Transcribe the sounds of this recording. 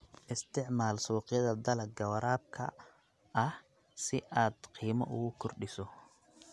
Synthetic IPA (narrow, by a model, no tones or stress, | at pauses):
ʔɪst̪ʰɪʕmaːlsuːqɪjɐðɐd̪ɐlɐɡɐwɐɾaːb̚kʰɐ̰ | ɐh | sɪʔaːd̪qʰiːmɐ̰ʔʊɣʊkʰɔrɖɪsɔ